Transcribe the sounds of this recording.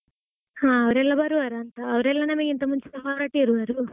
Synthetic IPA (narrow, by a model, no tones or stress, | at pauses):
hãːɐʋɐɾɛlːɐbɐɾuʋaːɾɐːnt̪ɐːʋɐɾɛlːɐnɐmɐɡeint̪ɐmuɲt͡ʃud̪ɐbʱaːɾaːʈiːɾuʋaːɾu